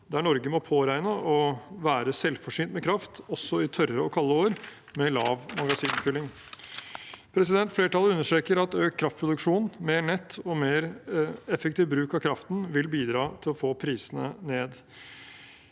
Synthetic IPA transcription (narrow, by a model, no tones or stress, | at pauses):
d̪æɳɔɾɡəmɔpʰoːɾæɪnəʔɔʋæːɾəsɛlfɔʂiːnt̪mɛkʰɾɑft̪ɔsːɔɪt̪ʰœɾəɔkʰɑlːəoːɾ | mɛlɑːʋmɑɡɑsiːnpʰʉlɪŋ | pʰɾɛsɪd̪ɛnt̪fleːʈɑlːəʉnːəʂʈɾeːkəɾɑt̪øːkʰːɾɑft̪̚pʰɾʊd̪ʉkʂuːnmeːɳɛt̪ːɔmeːɾɛfɛkt̪ʰɪːʋbɾʉːkɑkʰɾɑft̪n̩ʋɪlbiːd̪ɾɑːt̪ʰɪlɔfoːpʰɾiːsənə̰neːd̪